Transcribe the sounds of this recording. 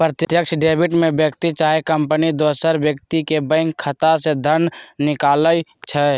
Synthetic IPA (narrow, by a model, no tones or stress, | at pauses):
pɾət̪t̪jəkʃɖeːbɪʈmẽbjəkt̪it͡ʃaːjkəmpənid̪oːsəɾbjəkt̪ikebə̃ŋkʰːət̪ased̪ʱənnɪkaːləjt͡ʃʰɛ